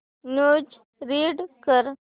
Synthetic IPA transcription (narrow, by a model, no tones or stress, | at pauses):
noːd͡ʒ | ɾiːɖkəɾ